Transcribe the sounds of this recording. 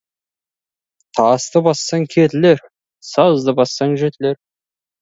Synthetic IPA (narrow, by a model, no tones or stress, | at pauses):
t̪ʰɑst̪əbɑsːɑŋkʲʰet̪ɪleɾ | sɑzd̪əbɑsːɑŋʒet̪ɪleɾ